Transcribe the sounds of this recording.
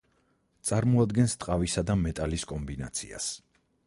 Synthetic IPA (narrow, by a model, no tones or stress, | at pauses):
t̪sʼaɾmɔad̪ɡɛnst̪ʼqʼavisad̪amɛt̪ʼaliskʼɔmbina̰t̪sʰḭa̰s